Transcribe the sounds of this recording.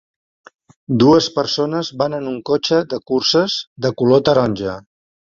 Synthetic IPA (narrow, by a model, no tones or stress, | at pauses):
d̪uəspəɾsonəzβanənuŋkot͡ʃəðəkursəzðəkulot̪əɾɔnʲʒə